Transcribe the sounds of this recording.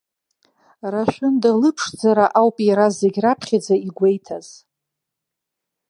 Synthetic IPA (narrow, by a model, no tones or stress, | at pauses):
raʃʷᶣʊndalɨpʰʂd͡zaɾaʔawpʼjiɾazeɡʲrapʰχʲad͡zaiɡʷe̞jtʰaz̥